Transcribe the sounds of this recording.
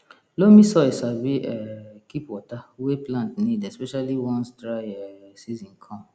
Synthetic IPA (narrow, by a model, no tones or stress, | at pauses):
lomĩsɔesabiʔɛkipwɔtaweplãntnĩdɛspɛʃaliwɔ̃nstɾaɪɛsizĩnkʰɔ̃m